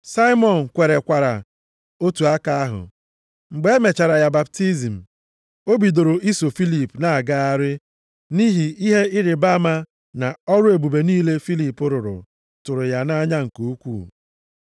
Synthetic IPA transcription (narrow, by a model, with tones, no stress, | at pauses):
sa˦ɪ˦mɔ˨n̩˨kʷe˨ɾe˨kʷa˨ɾa̰˨ | o˦tu˨a˦ka˦a˦ɦʊ̰˨ | ŋ͡m̩˨ɡ͡be˦e˦me˨t͡ʃa˨ɾa˨ja˨ba˨p̚ti˦zi˨m̩˨ | o˦bi˨do˨ɾo˨ʔi˦so˨fi˦li˨pna˦˨a˨ɡa˦a˦ɾɪ˦ | ni˦ɦi˨ʔi˦ɦe˦ɪ˦ɾɪ˨ba˦ma˦ | na˨ɔ˦ɾʊ˦e˨bu˨be˨niː˦le˦fi˦li˦˨pʊ˦ɾʊ˨ɾʊ̰˨ | tʊ˨ɾʊ˨ja˦na˦ɲa˦ŋ̩˨ko˦kʷṵː˦˨